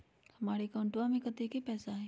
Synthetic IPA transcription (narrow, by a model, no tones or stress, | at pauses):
hɐmaːɾekaːɳʈoamẽkət̪ekepɛːsaɦɛː